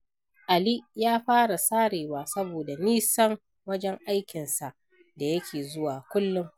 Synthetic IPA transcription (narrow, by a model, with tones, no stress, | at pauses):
ʔa˨li˦jaː˦ɸaː˦ɽa˨saː˦ɽeː˨waː˨sɐ˦boː˨da˨niː˦sɐ˦ŋ | wɐ˦d͡ʒɛ˦ŋʔa˦jkʲɪ˨nsa˨ʔ | da˨jɐ˦kʲʰeː˨zʊ˦waː˨kʷʊ˦lːʊ˦ŋ